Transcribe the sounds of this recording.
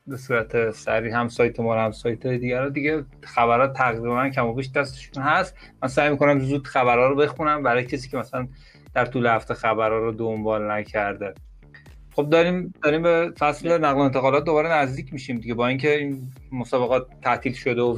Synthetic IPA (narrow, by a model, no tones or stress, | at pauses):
be̞suːɾæt̪ʰesæɾiːhæmsɒːjt̪ʰemɒɾhæmsɒjt̪ʰɒjed̪iːɡæɾɒːd̪iɟe | xæβæɾɒːt̪t̪ʰːæɣɾibæncʰæmɒːbiʃd̪æst̪eʃunɦæst̪ | mænsæjmiko̞næmzuːd̪̥xæβæɾhɒːɾobe̞xunæmbæɾɒːjecʰes̬iːcʰʲeæsælæn | d̪̥æɾt̪ʰuːlehæft̪e̞xæbæɾɒːɾod̪ombɒːlnæcʰæɾd̪e | xo̞b̚d̪ɒɾiːmd̪̥ɒːɾimbefæsle̞næɣleent̪ʰeɣɒːlɒt̪̚d̪o̞βɒːɾenæzd̪iːcʰmiːʃimd̪iɡɟebɒːiŋcʰe̞iːn | mosɒːbeɣɒːt̪ʰːæt̪ʰiːlʃo̞d̪eo